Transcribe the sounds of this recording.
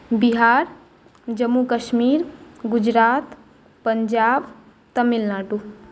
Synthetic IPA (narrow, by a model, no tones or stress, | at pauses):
biɦaːɾ | d͡ʒəmːukəʃmiːɾɡʊd͡ʒɾaːt̪ | pəɲd͡ʒaːb | t̪əmilnaːʈu